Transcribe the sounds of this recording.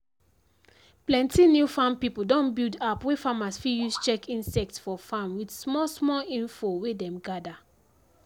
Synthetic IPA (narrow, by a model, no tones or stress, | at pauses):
plɛ̃ntinjufãmpipudɔ̃nbildapwefamasfijust͡ʃɛkĩnsɛk̚tsfɔfãmwidsmɔlsmɔlĩnfowedɛ̃mɡada